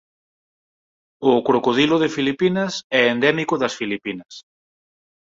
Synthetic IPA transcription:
ʊkɾokoðilʊðɪfilipinɐsɛend̪ɛmikʊðɐsfilipinɐs

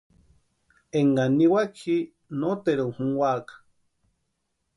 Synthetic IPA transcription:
eŋɡaniwakʰi | not̪eɾuhuŋwakḁ

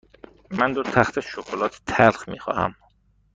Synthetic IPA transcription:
mænd̪oɾt̪ʰæxt̪ʰeʃokʰolɒːt̪ʰt̪ʰælxmiːxɒ̰ːhæ̰m

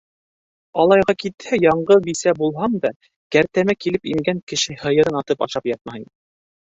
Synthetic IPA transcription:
ɑlˠɑjʁɑkit̪hæjɑɴɢɤbisæbulˠɦɑmd̪ɑ | kæɾt̪æmækilɘpiŋɡæŋkɘ̆ʃɘhɤ̆jɤ̆ɾɤnɑt̪ɤpɑ̰ʃɑpjɑt̪̚mɑj

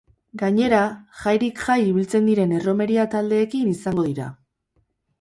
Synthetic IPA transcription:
ɡaɲe̞ɾaʝajɾikʝajiβ̞ilt͡se̞nd̪iɾe̞ne̞ro̞me̞ɾiat̪ald̪e̞ːkinisaŋɡo̞ðiɾa̰

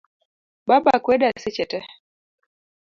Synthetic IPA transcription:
ɓaɓakwɛɗasɛt͡ʃɛtɛ

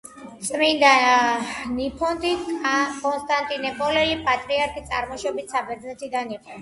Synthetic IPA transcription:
t̪sʼmind̪a | nipʰɔnt̪ikʼɔnst̪ʼant̪ʼinɛpʼɔlɛlipʼat̪ʼɾiaɾkʰit̪sʼaɾmɔʃɔbit̪ʰsabɛɾd̪znɛt̪ʰid̪aniqʼɔ

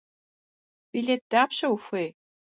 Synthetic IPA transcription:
b̥ilʲet̚d̥aːpɕɐwxʷej

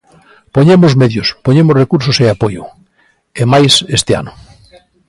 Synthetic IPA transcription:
poɲemozmeðjospoɲemozrekuɾsoseapojo | emajsest̪ea̰no

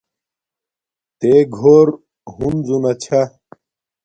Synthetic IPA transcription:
t̪eɡʱoːɾ | ɦunzunɐt͡ɕʰa

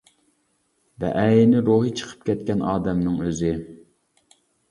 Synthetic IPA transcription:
bɛ̰ʔæjɪnɪɾoɦit͡ʃʰə̥qʰə̥p̚kʲʰɛt̪̚kʲɛnʔɑːd̪ɛmnɨŋøzɪ

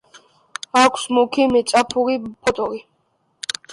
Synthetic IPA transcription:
akʷʰsmukʰimɛsʼapʰuɾipʰɔt̪ʼɔɾi

